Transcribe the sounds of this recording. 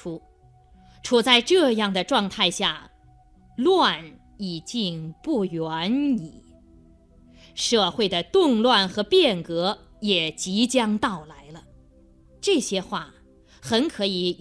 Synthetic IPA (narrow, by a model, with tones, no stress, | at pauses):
u˥ | ʈ͡ʂʰu˨˩t͡sa˥˧ɪʈ͡ʂɤ˥˧jɑ˥˩ŋd̪ə˩ʈ͡ʂwɑ˥˧ŋt̪ʰa˥˧ɪɕja̰˥˩ | lwa˥˩n | i˨˩t͡ɕi˥˧ŋpu˥˩ɥa˧˥ni˨˩˦ | ʂɤ˥˧xwe˥˩ɪd̪ə˩t̪ʊ˥˧ŋlwa˥˩nxɤ˧˥pjɛ˥˩nkɤ˧˥ | jɛ˨˩t͡ɕi˧˥t͡ɕjɑ˥ŋt̪ɑ˥˩ʊla˧˥ɪlə˧ | ʈ͡ʂɤ˥˩ɕjɛ˥xwa˥˩ | xə˧˥nkʰɤ˧˥i˧˥